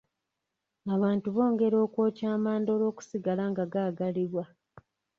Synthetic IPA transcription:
aβaːntuβo̞ːŋɡe̞ɾo̞ːkwo̞ːcaːmaːndo̞ːlo̞ːku̥siɡalaŋɡaɡaːɡaliβwa

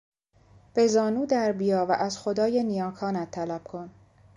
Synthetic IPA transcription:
b̥ezɒːnuːd̪æɾbijɒːvæʔæzxo̞d̪ɒːjenijɒːkʰɒːnæt̪ʰːælæb̥̚kʰo̞n

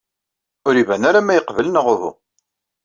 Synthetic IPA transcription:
ʊɾivænaɾamæjəqvələnəʁʊðṵ

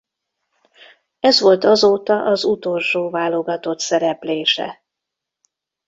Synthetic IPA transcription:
ɛzʋo̞lt̪ɒzoːt̪ɒʔɒzut̪o̞lʃoːvaːlo̞ɡɒt̪o̞t̪sɛɾɛpleːʃɛ̰

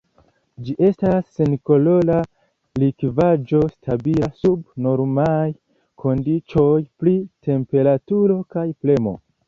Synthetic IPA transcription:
d͡ʒiʔe̞stasːenko̞lo̞la | likvad͡ʒo̞stʰabilasubno̞ɾmaj | kʰo̞ndit͡ʃo̞jpɾitʰe̞mpe̞ɾatuɾo̞kajple̞mo̞̰

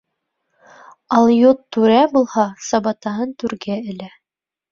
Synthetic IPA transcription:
ɑlˠjot̪ːʉɾæbulˠhɑsɑbɑt̪ɑɦɤnt̪ʉɾɡæɘ̆læ

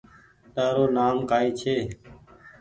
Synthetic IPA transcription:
ɗ̪əːɾoːnaːmkaːiːt͡ʃʰeː

